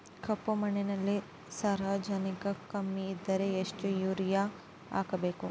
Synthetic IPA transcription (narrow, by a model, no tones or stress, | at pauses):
kʰɐpːumɐnenɐlːi | saːɾaːd͡ʒɐnikɐkɐmːiːd̪ːɐɾeeʂʈujuːɾija | a̰ːɡɐbe̞ːku